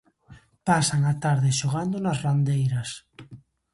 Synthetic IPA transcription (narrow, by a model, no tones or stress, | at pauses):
pasaŋat̪aɾðɪʃoɣ̞and̪onasrand̪ejɾɐs